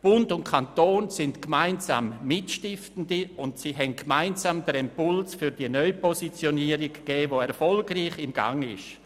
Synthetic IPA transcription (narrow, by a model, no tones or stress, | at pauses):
b̥ʊndʊntkʰantoːnsɪntkmaɪnza̰ːmːɪtʃtɪftn̩diʊntsiːɦɛnɡmaɪnzaːmd̪əɾɛmpʊlsfyɾdiənœʏpɔsit͡sjoniːəɾɪɡ̥ːɛːvoɛɾfɔlɡriːχɪmɡa̰ŋɪ̰ʃ